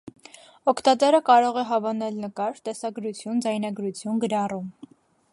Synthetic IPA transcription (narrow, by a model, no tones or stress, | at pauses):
ɔkʰt̪ɑt̪ɛɾəkɑɾɔʁɛɦɑvɑnɛlnəkɑɾt̪ɛsɑɡɾut͡sʰjund͡zɑjnɑɡɾut͡sʰjunɡəɾɑrum